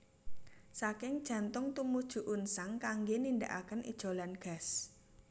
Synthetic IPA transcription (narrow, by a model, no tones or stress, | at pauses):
sakɪŋd̥ʒ̥ä̤nt̪ʊŋt̪umud̥ʒ̥ṳʔunsaŋkaŋɡeninda̰ʔa̰kənʔḭd̥ʒ̥o̤lanɡ̥a̤s